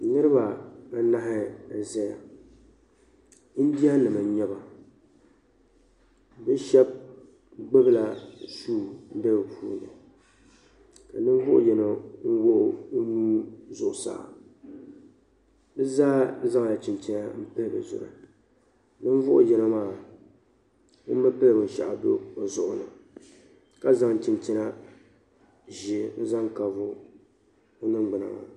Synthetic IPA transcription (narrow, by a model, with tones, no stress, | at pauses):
nɨ˦ɾɨ˦ba˨a˦na˦ɦɪ˦˨zɛ˦ja̰˨˦ | n̩˦di˦a˦nɨ˨ma˨˦ɲɛ˦ba˨ | bɨ˦ʃɛ˦b̚ | ɡ͡bɨ˦bɨ˦la˦suː˦˨n˦de˦bɨ˨pʰṵː˦˨nɨ̰˨ | ka˨nɨ˦ɱ˦vʊ˦ʔʊ̰˦jɛ˨no˨ŋ̩˦wo˦ʔʊ˦nuː˦zʊ˨ʔʊ˨sa̰ː˨ | bɨ˦zaː˦za˦ŋ˨la˨t͡ʃi˨mt͡ʃi˦na˦m̩˦pɨ˦lbɨ̰˨zʊ̰˨ɾa̰˨ | nɨ˦n˦vʊ˦ʔʊ˦jɛ˨˦no˦maː˦˨ | nɨ˦mː˦a˦pɨ˦lbɨ˨n˨ʃa̰˨ʔa̰˨do̰˦o˨zʊ˨ʔʊ˦nɨ̰˨ | ka˦za˦ŋ˨t͡ʃi˨nt͡ʃi˦na˦ | ʒi˦˨n̩˦za˦ŋka˨vʊ˦ | o˦nɨ˦ŋɡ͡bɨ˨na̰˨ŋa̰˨